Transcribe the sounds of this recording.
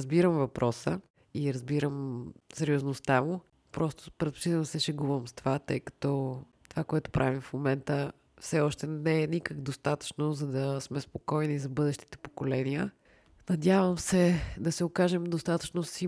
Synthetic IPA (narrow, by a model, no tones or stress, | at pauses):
zbiɾəmvɐpɾʔɔsə | iɾɐzbiɾəmsɛɾioznost̪amʊ | pɾɔst̪o̥pɾɛt̪̚po̥t͡ʃit̪ɛnsɛʃɛɡubəmst̪ovat̪ɤjkɐ̥t̪ɔ | t̪ovakoɛt̪ʊ̥pɾʔavimfmomɛnt̪ə | fsɛɔʃt̪ɛnɛːnikəɡd̪ost̪at̪ə̥t͡ʃnozɐd̪ɐsmɛspokɔjnizɐbɤd̪ɛʃt̪i̥t̪ɛ̥po̥kolɛniə | nɐd̪ʲjavəmsɛd̪ɐsɛokaʒɛmd̪ost̪at̪ə̥t͡ʃnosi